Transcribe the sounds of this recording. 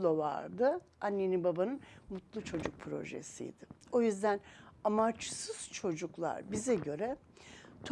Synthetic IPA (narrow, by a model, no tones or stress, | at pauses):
lova̰ɾd̪ɯ | anːenibabanɯnmut̪lˠut͡ʃʰo̞d͡ʒuk̚pʰɾo̞̰ʒḛsḭjd̪̥ɪo̞jyzd̪ænamat͡ʃsɯz̥t͡ʃʰo̞d͡ʒuklˠa̰ɾbizɛɟø̞ɾɛt̪ʰ